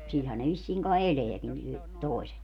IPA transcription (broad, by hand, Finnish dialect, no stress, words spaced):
silhæn ne ʋisːiːŋ kɑi eleækin y toˑiset